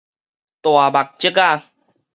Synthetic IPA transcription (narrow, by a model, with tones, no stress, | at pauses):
t̪wa˨˩ba˨˩k̚t͡ɕi˦ka˥˧˨